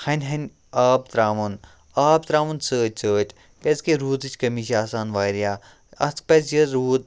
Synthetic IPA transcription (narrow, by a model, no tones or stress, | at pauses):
hɐnʲɦɐnʲ | aːb̚t̪ɾaːmun | aːb̚t̪ɾaːmunsəːtʲsəːʈ | keskeɾuːt̪ɨt͡ʃʰʲkɐmiːʃ̬aːsaːnʋaːɾijaː | ɐ̰spɐzjɐɾɾuːt̪̚